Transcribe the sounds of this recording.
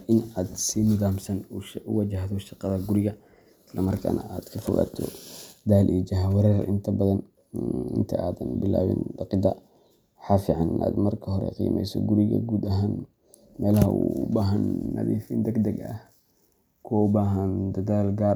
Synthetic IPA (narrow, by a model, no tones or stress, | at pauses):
ʔɪnaːd̪siːmʊðaːmsɐnʊwɐd͡ʒɐɦðɔʃɑqɑðɐɡʊɾɪɣɐ | ɪslɐmɐrkʰa̰ːnɐʔaːd̪̥kʰɐfɔ̰ɣa̰ːt̪ʰɔ̰d̪aːlʔid͡ʒɐɦɐwɛɾɛɾʔɪnt̪ʰɐbɐðɐn | ɪ̰nt̪ʰɐ̰ʔaːðɐnbɪla̰ːwɪ̰nd̪ɑqɪd̪ɐ | ħɑfɪʕɑnɪnʔa̰ːd̪mɐrkʰɐɦɔɾɛ̰qḭːmʔɛ̰jsɔ̰ɡʊɾɪɣɐ̰ɡuːd̪ɐɦaːn | mɛːlɐɦɐ̰uʊbaːɦɐnːɐ̰ðḭːfind̪ɛɡd̪ɛɡɐ̰h | kʰɔʊbaːɦɐnd̪ɐɣaːlɡaːr